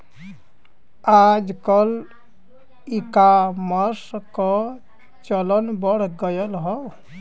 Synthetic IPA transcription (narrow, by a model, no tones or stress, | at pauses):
ad͡ʒkɔl | ikaməɾskɔ | t͡ʃələnbəɽ̤ɡəjəlɦɔ